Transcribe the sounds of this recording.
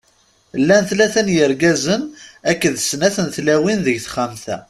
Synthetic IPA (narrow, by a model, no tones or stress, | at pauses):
lːænθlæθænjəɾɡæzənækːəðəsnæθənθlæwinðəʝθχæmθæ̰